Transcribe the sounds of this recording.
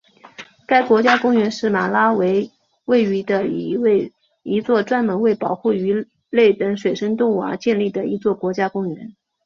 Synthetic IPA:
ka˥ɪkwɔ˧˥t͡ɕja˥kʊ˥ŋɥɛ˧˥nʂɻ̩˥˩ma˨˩la˥we˧˥ɪ | we˥˩ɪy˧˥d̪ə˧i˧˥we˥˩ɪ | i˧˥t͡swɔ˥˩ʈ͡ʂwa˥nmɤ˧˥ŋwe˥˩ɪpɑ˨˩ʊxu˥˩y˧˥ | le˥˩ɪt̪ə˧˥ŋʂwe˨˩ɪʂə˥ŋt̪ʊ˥˩ŋwa̰˧˥t͡ɕjɛ˥˧nli˥˩d̪ə˩i˧˥t͡swɔ˥˩kwɔ˧˥t͡ɕja˥kʊ˥ŋɥɛ̰˧˥n

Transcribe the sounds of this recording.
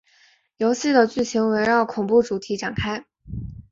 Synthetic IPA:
jo˧˥ʊɕi˥˩d̪ə˩t͡ɕy˥˩ɕʰi˧˥ŋwe˧˥ɪɻɑ˥˩ʊkʰʊ˨˩ŋpu˥˩ʈ͡ʂu˨˩t̪ʰi˧˥ʈ͡ʂɑ˨˩ŋkʰa˥ɪ

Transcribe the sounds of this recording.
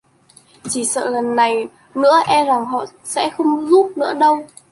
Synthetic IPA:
t͡ɕi˧˩sə̰ː˧˨lə˨˩nːa˨˩j | nɨ̰˧˥əʔɛ˧za˨˩ŋɦɔ̰˧˨ | sɛ̰˧˥xə˧wŋ͡mzu˦˥p̚nɨ̰˧˥əɗə˧w

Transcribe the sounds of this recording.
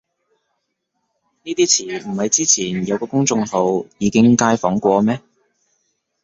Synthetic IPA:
niː˥t̪iː˥t͡sʰiː˨˩m̩˨˩hɐ˨˧jt͡siː˥t͡sʰiː˨˩njɐ˨˧wkɔː˧kʊ˥ŋt͡sʊ˧ŋho˨˧wjiː˨˧kɪ˥ŋkaː˧jfɔː˨˥ŋkʷɔː˧mɛː˥

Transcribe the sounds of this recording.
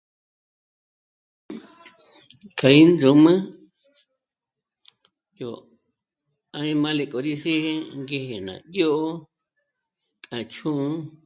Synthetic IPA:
kʰa˨i˦nd͡zõ˨mã˦ | jo˨ | ã˧ĩ˧mã˦le˧˨kʼo˨ɾi˧si˦he˧ŋɡe˧he˨nã̰˨jo˦ʔo˦ | kã˨t͡ʃʰũ˦

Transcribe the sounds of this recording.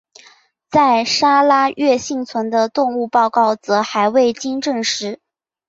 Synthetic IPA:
t͡sa˥˩ɪʂa˥la˥ɥɛ˥˧ɕi˥˩ŋt͡sʰwə˧˥nd̪ə˧t̪ʊ˥˧ŋu˥˧pɑ˥˧ʊkɑ˥˩ʊt͡sɤ˧˥xa˧˥ɪwe˥˩ɪt͡ɕi˥ŋʈ͡ʂɤ˥˩ŋʂɻ̩˧˥

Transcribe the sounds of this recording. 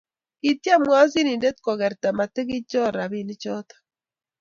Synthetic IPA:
i˨tja˦˨mwa˦zi˦ni˨nde˦tkɔ˨ɣa˨ɾta˨ma˨te˦ɣi˦t͡ʃɔ˦ɾa˨βi˦ni˦t͡ʃɔ˦tḁ˨

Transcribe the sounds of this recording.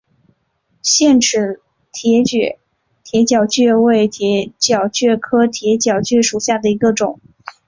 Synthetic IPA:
ɕjɛ˥˩nʈ͡ʂɻ̩˨˧˥ | t̪ʰɛ˧˥t͡ɕɛ˥˧˩ | t̪ʰjɛ˧˥t͡ɕjɑ˨˩ʊt͡ɕɥɛ˥˧we˥˩ɪ˧˥t͡ɕjɑ˨˩ʊt͡ɕɥɛ˥˩kʰɤ˥t̪ʰjɛ˧˥t͡ɕjɑ˨˩ʊt͡ɕɥɛ˥˩ʂu˨˩ɕja˥˩d̪ə˩i˧˥ɡə˧ʈ͡ʂʊ˨˩˦ŋ

